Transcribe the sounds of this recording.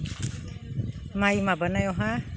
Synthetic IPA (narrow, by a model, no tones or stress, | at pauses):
majmabanajɔɦa